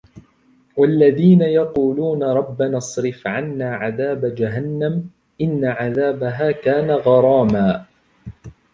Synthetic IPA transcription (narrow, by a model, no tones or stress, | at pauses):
walːaðiːnajɑquːluːnaɾˤɑbːanɑsˤɾɪfʕanːaːʕaðaːbad͡ʒaɦanːam | ʔɪnːaʕaðaːbaɦaːkaːnaɣɑɾˤɑːmaː